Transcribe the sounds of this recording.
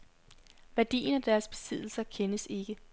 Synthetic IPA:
ʋæɐd̥ḭːnæd̥æɐsb̥e̝̥sið̞̰ˠl̩sɐkʰenəse̝ɡ̥ə

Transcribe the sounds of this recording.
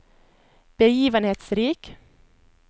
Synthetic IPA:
b̥əjiːʋənheːt̪sɾiːk

